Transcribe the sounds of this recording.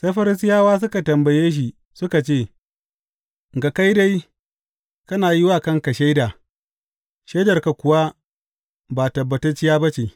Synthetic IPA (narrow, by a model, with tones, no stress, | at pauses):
sa˦jɸɐ˦ɾɪ˦s̬ɪ˦jaː˦waː˦s̬ʊ˦ka˨tɐ˨mbɐ˨jeː˦ʃ̬i˨ | sʊ˦ka˨t͡ʃeː˦˨ | ŋ˨ɡa˨ka˦jda˦j | kɐ˦naː˨ji˦wa˦˨kɐ˦ŋka˨ʃa˦jdaː˨ | ʃa˦jdɐ˨rka˨kʷʊ˨wa˦ | baː˨tɐ˨bːɐ˨tɐ˦rt͡ʃi˦jaː˦bɐ˦t͡ʃe˨